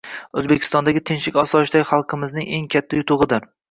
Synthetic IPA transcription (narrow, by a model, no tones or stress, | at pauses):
ɵzbekʲʰɪ̥st̪ɒnd̪aɡʲɪt̪ʰɪnʃɪkʲɒsɒʃd̪aɪχɑlˠqʰɨmɪznɪŋe̞ŋkʲʰat̪ʰːajʊt̪ʰʊʁɨd̪aɾ